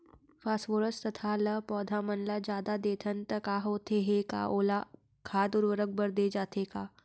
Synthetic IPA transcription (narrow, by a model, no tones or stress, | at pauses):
faːsʋoɾəst̪ɐt̪ʰalɐpɔːd̪ʱamənlad͡ʒjaːd̪ad̪eːt̪ʰənt̪əkaɦoːt̪eɦeka̰ʔoːla | kʰaːd̪ʊɾʋəɾək̚bəɾd̪ed͡ʒaːt̪ekaː